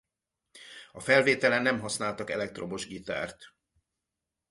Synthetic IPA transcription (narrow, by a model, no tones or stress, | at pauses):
ɒfɛlveːt̪ɛlɛnːɛmɦɒsnaːlt̪ɒkɛ̰lɛkt̪ro̞mo̞ʒɡit̪a̰ːrt̪